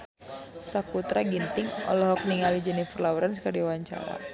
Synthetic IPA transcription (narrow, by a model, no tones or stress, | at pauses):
sakut̪ɾaɡint̪ɪŋɔ̰lɔɦɔk̚niŋalid͡ʒənipərlauɾansə̥kəriawaɲt͡ʃa̰ɾa̰